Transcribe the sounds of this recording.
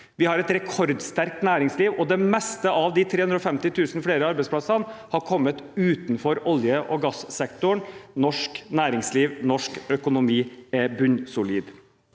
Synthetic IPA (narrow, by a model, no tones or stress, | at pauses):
ʋɪhɑɾɛt̪ɾɛkʰɔɾd̪st̪æɾk̚t̪næːɾɪŋsliːʋɔd̪ɛmɛst̪əʔɑʋd̪ɪt̪ʰɾeːʉnd̪ɾɔfɛmt̪ɪt̪ʰʉːsn̩fɽeːɾəɑɾbɛɪspʰlɑsɑnhɑɾkʰɔmːət̪ʉːt̪nfɔɾɔljəʔɔɡɑssɛkt̪ʊɳnɔʂknæːɾɪŋsliːʋnɔʂkœkʊnʊmiːɛbʉnsʊliːd̪